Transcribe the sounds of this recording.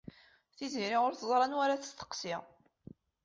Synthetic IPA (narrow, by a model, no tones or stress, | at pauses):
θiziɾiʁʊɾθəzˤɾˤɑnwaɾaθə̥st̪ə̥qsɪʁ